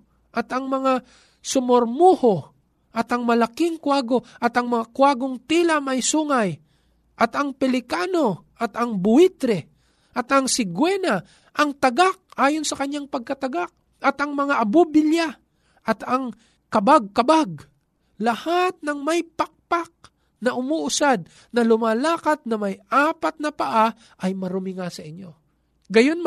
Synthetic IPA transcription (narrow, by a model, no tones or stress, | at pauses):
ʔɐt̪ɐŋmɐŋa | sʊmoɾmuho | ʔɐt̪ʔɐŋmɐlakɪŋkwaːɡoʔɐt̪ɐŋmɐŋakwaːɡoŋt̪ilamɐjsuːŋaj | ʔɐt̪ɐŋpɛlɪkano̞ʔɐt̪ɐŋbʊit̪ɾɛ | ʔɐt̪ɐŋsɪɡwɛna | ʔɐŋt̪ɐɡak̚ʔaːjonsɐkɐɲjaŋpɐɡ̚kɐt̪ɐɡak̚ | ʔɐt̪ɐŋmɐŋaʔɐbubɪlja | ʔɐt̪ɐŋ | kɐbaɡ̚kɐbaɡ̚ | lɐhat̪̚nɐŋmɐjpɐk̚pak̚ | nɐʔʊmuːʔʊsad̪̚ | nɐlʊmaːlaːkat̪̚nɐmɐjʔaːpat̪̚nɐpɐʔa | ʔɐjmɐɾʊmɪŋasɐʔɪɲːo̞ | ɡɐjonm